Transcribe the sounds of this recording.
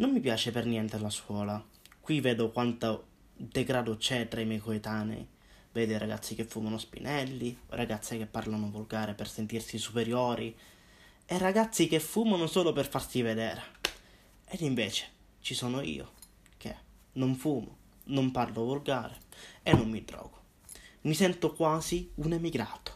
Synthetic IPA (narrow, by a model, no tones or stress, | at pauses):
nomːipjaːt͡ʃepernjɛnt̪elaskwɔːla | kwiveːd̪okwant̪a | d̪eɡɾaːd̪ot͡ʃɛt̪ɾaimjɛjkoet̪aːnḛḭ | vɛːd̪oiɾaɡa̰t̪sːik̟efːuːmanospḭnʔɛlːiɾaɡat̪sːek̟epːarlanovulɡaːɾepersent̪irsisupeɾjoːɾi | eraɡat̪sːikefːuːmanosoːloperfarsived̪ɛ̰ːɾ | ed̪iɱveːt͡ʃe̥ | t͡ʃisɔːnoḭːo̰ | k̟ḛ | nːoɱfuːmo | nomparlovulɡaːɾeenːomːiɖɾɔ̰ːɡ̥ʊ̥ | misɛnt̪okwaːziunemiɡɾaːt̪o̥